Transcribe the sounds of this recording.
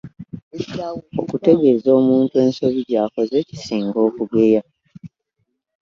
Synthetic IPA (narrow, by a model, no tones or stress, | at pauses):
o̞̰kute̞ɡe̞ːzo̞ːmuːntue̞ːnso̞βiɾaːko̞ze̞ːci̥siːŋɡo̞ːkuɡeja